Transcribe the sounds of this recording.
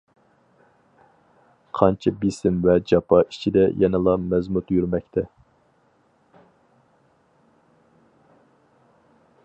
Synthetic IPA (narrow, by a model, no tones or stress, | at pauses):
qʰɑnt͡ʃʰɛbisɪmvɛd͡ʒɑpʰɑʔi̥t͡ʃʰid̪ɛjʔɛnɨlˠɑmɛzmut̪jyɾmɛkʲt̪ʰɛ